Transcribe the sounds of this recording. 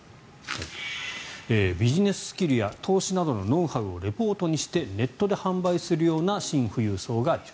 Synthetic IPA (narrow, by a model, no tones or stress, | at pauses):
ha | eːbʲiʑine̞sɨ̥sɨ̥kʲiɾɯ̟jat̪ʰo̞ːɕinad̪o̞no̞nõ̞ɰ̃haɯo̞ɾe̞po̞ːt̪oɲ̟iɕi̥t̪e̞ne̞t̪ːo̞d̪e̞hãmbaisɨɾɯ̟jo̞ːnaɕĩɰ̃ɸɯ̟jɯ̟ːso̞ːɡa